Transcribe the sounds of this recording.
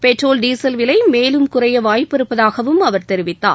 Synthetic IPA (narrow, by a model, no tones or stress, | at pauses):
pɛʈroːlɖiːsɐlʋɪlɐɪmeːlɯmkʊrɐjɐʋaːjpːɐɾɯpːɐðaːɣɐʋɯmɐʋɐɾt̪ɛɾɪʋɪt̪ːa̰ː